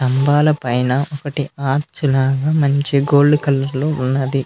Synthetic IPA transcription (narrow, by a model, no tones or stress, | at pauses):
t̪ɐmbaːlɐpɐjnɐʔɔkɐʈiaːɾt͡ʃulaːɡaːmɐɲt͡ʃiɡoːlɖukɐlːɐɾloːunːɐd̪i